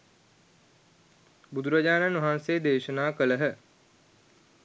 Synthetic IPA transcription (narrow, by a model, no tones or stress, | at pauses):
bud̪uɾɐd͡ʒaːnanʋɐɦansed̪eːʃənaːkələɦə